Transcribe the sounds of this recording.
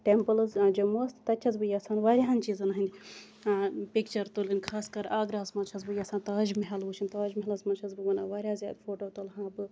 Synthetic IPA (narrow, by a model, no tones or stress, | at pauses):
ʈempɨlzd͡ʒɐmoːst̪t̪ɐt͡ʃʰɐzbɨjaːsaːnʋaːɾʲjaɐnʲt͡ʃiːzɐnɐɦɐinʲd̪ʲi | pikt͡ʃɐɾt̪ulinʲkʰaːskɐɾaːɡɾɐɦɐzmɐnt͡ʃʰɐzbɨjɐːsaːnt̪ɐːd͡ʒmiɦɐluːt͡ʃʰinʲt̪ɐːd͡ʒmɐɦɐlɐzmɐnt͡ʃʰɐzbɨʋɐnaʋaːɾʲjaːzʲja̰ːd̪foːʈoːt̪olɦãːbɨ